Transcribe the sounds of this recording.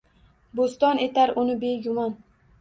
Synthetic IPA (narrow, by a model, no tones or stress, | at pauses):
bost̪ɒnet̪aɾʊnɪbe̞ɡʊmɒn